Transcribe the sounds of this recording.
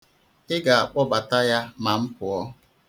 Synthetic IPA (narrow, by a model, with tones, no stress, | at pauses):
ɪ˦ɡa˨a˨k͡pɔ˦ba˨ta˦ja˦ma˨m̩˦pʊ˨ɔ˦